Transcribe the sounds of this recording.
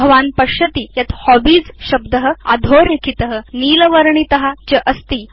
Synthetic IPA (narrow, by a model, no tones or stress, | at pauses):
ɐʋaːnpəɕət̪iːjat̪hɔbiːd͡zɕɐb̚d̪əɦəa̰d̪ʱoɾekʰit̪əɦəniːləʋəɾɳit̪əɦat͡ɕəʔəst̪iː